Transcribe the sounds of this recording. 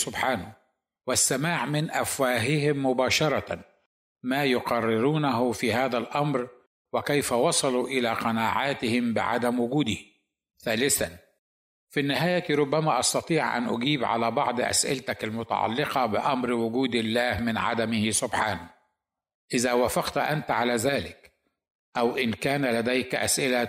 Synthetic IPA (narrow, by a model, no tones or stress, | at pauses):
sʊbħaːna | wɪsːamaːʕmɪnʔafwaːɦɪɦɪmːʊbaːʃɑɾˤɑ | maːjʊqɑrːɪɾuːnaɦʊfihaːðalʔamɾ | wɪkajfawɑsˤɑluʔɪlaqɑnaːʕaːt̪ɪhɪmbɪ̰ʕa̰d̪amwʊɡuːd̪i | θaːlɪθan | finːɪɦaːjak̪iɾˤʊbːamaʔɑst̪ɑt̪ˤiːʕʔa̰nʔʊ̰ɡiːbʕa̰laːbɑ̰ʕd̪ˤʔa̰sʔɪ̰lt̪akalmʊt̪a̰ʕɑ̰lːɪqɑbɪʔamɾwʊɡuːd̪ɪlːaːhmɪnʕa̰d̪amɪhɪsʊbħaːna | ʔɪzawaːfɑqt̪ʔant̪ʕalazaːlɪk | ʔawʔɪnkaːnalad̪ajkʔa̰sʔɪla